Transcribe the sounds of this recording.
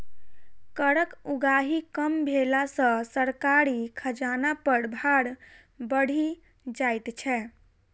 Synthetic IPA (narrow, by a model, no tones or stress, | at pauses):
kəɾəkuɡaɦikəmbʱelasə̃səɾkaɾikʰəd͡ʒanapəɽbʱaɽ | bəɽ̤i | d͡ʒajt̪t͡ʃʰɛ